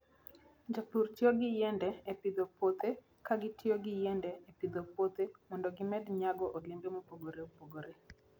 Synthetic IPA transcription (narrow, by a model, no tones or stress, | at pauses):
ɲd͡ʒapurtɪoɡɪjɛndɛːpɪd̪opot̪e | kaɡɪtʰɪoɡɪjɛndɛepɪd̪opot̪emɔndɔɡɪmɛdɲaɡɔʔolɪmbemopoɡoɾeopoɡoɾe